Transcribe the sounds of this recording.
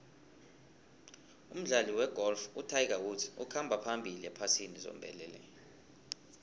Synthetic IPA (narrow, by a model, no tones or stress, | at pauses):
um̩ɮaliwɛɡ̥ʱɔlfutʰajk̬awutʰi̥ṵkʰambʱapʰambʱiliɛpʰasinizo̰mbʱɛlɛːlɛ̰